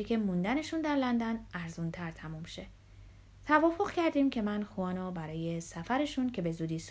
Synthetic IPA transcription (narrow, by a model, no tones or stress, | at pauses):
icʰʲe̞mund̪æne̞ʃund̪æɾlænd̪ænæɾzunt̪ʰæɾt̪ʰæmumʃe̞ | t̪ʰævɒːfo̞ɣ̥cʰæɾd̪iːmcʰe̞mænxuɒːnɒːbæɾɒːje̞sæfæɾe̞ʃuncʰe̞be̞zuːd̪iːs